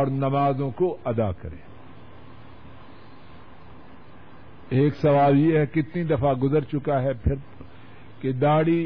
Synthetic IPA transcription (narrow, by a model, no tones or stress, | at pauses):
ɔːɾnɐmaːzõkoɐd̪a̰ːkɐ̰ɾḛ̃ː | eːksɐʋaːljeɦɛkɪt̪nid̪ɐfaɡʊzəɾt͡ʃʊkaɦɛpʰɪɾ | ked̪aːɽi